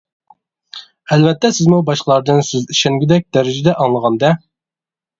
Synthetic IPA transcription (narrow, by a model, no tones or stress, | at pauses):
ɛlvɛt̪ːɛsɪzmubɑʃqəlˠɑɾd̪ɨnsøziʃɛŋɡʲɪd̪ɛk̚ʲd̪æɾɪd͡ʒɪd̪ɛʔɑŋlˠəʁɑnd̪ɛ